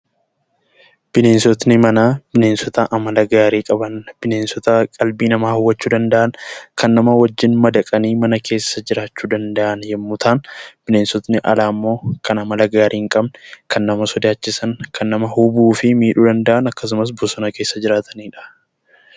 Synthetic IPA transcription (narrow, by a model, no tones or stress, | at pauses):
b̥ɪne̞ːnsɔt̪nɪmɐnaːb̥ɪneːnsɔt̪ɐʔɐmɐlɐɡaːɾiːkʼɐbɐnb̥ɪne̞ːnsɔt̪ɐkʼɐlbiːnɐmaːhʊwːɐt͡ʃːuːd̪ɐnd̪ɐʔɐnkɐnːɐmɐwɐd͡ʒːɪnmɐd̪ɐkʼɐniːmɐnɐkʰe̞ːsːɐd͡ʒɪɾaːt͡ʃːuːd̪ɐnd̪ɐʔɐnjɛmːʊt̪ʰaːnb̥ɪne̞ːnsɔt̪nɪʔɐ̰laːmːo̞ːkɐnɐmɐlɐɡaːɾʔiːŋkʼɐbnkʰɐnːɐmɐsɔd̪aːt͡ʃːɪsɐŋkʰɐnːɐmɐhʊbuːfɪmiːᶑud̪ɐnd̪ɐʔɐnɐkːɐs̬ʊmɐs̬bɔsɔnɐke̞ːsːɐd͡ʒɪɾaːt̪ʰɐniːᶑɐ̥